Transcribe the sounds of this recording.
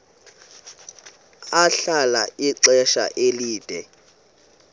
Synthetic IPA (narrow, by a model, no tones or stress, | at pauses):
aɬalaiǀɛʃa̰ʔeliːd̥ʱɛ